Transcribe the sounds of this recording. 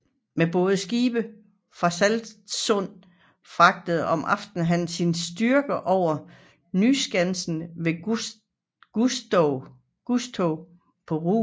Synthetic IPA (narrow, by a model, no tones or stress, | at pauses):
meb̥ɔ̽ːðˠsɡ̥iːb̥ə | fʁɑ̈sæld̥sɔ̽n̰ | fʁɑ̈ɡ̥̚d̥əð̩ˠɒ̽mʔɑ̈fd̥n̩ɦænsinsd̥yɐɡ̥əʔɒʊ̰ɐ | nysɡ̥ænsn̩ʋe̝ | ɡ̥usdɔ | ɡ̥usd̥ʰɔʊ | pʰɒ̽ʁṵ